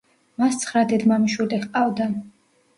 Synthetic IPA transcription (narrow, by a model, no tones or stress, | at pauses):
mast̪sʰχɾad̪ɛd̪mamiʃwɛlɛχqʼavd̪a